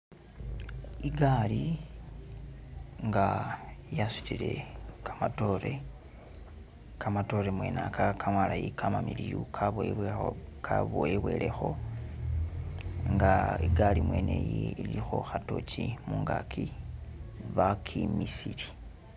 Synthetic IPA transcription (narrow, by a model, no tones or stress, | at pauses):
iɡali | ŋɡajasu̥tile̞̰kḁmato̞ɾe | kamato̞ɾemwe̞nakʰakʰamwalajikʰamamilijukʰaβo | kaβoeβwe̞ːle̞xo̞ | ŋɡaiɡalimwe̞ːne̞jiilixo̞xato̞t͡ʃimuŋɡa̰kʰi | βakʰimisili